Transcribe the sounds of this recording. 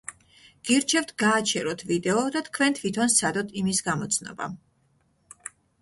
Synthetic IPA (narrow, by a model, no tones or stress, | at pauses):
ɡ̥iɾt͡ʃʰɛvt̪ʰɡaːt͡ʃʰɛɾɔt̪ʰvid̪ɛɔd̪at̪ʰkʰvɛnt̪ʰvit̪ʰɔnsʰad̪ɔt̪ʰimisɡamɔt̪sʰnɔ̰ba̰